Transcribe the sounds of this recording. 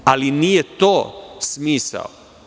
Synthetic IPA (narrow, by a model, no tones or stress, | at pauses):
alinijet̪oːsmiːsa̰o̰